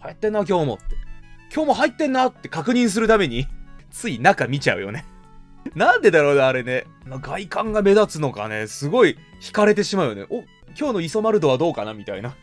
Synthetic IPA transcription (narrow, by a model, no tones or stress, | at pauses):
hajat̪ːenːak̬ʲo̞ːmo̞̰t̪ːekʲo̞ːmo̞ɦait̪ːẽ̞nːat̪ːe̞kakɯ̟ɲ̟ĩɰ̃s̬ɨɾɯ̟t̪ame̞ɲ̟it͡sɨinakamʲit͡ɕa̰ɯ̟jo̞̰ne̞ | nãnd̪e̞d̪aɾo̞ːd̪eaɾe̞ne̞ | maɡaikãŋɡame̞d̪at͡sɨno̞ka̰ne̞sɨɡo̞içi̥kaɾe̞t̪e̞ɕimaɯ̟j̰nḛʔo | kʲo̞ːno̞iso̞maɾɯ̟d̪o̞β̞ad̪o̞ːkanamʲit̪a̰ina